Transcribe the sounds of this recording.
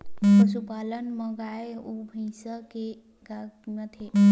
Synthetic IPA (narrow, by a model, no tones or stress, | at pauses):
pəsupalənməɡaeubʱə̃ɪsəke | ɡamət̪ʰe